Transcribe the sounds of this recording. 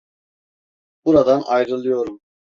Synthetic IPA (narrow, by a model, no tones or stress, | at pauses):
b̥uɾad̪anʔɑjɾɯlˠɯjo̞ɾum